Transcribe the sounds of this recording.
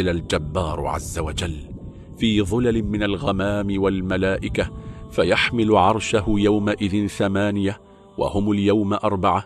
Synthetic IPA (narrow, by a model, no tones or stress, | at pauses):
ɪlald͡ʒabːɑːɾ̰ˤʕa̰zːawad͡ʒalː | fiːðˤʊlalɪmɪnalɣamaːmɪwalmalaːʔɪkafajaħmɪlʊʕɑɾˤʃahʊjawmaʔɪðɪnθamaːnɪja | wa̰hʊmʊljawmʔɑɾˤbɑʕa